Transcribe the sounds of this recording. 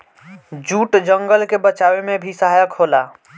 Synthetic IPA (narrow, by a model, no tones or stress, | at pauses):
d͡ʒuʈd͡ʒəŋɡəlkebət͡ʃawemebʱisəɦajəkɦola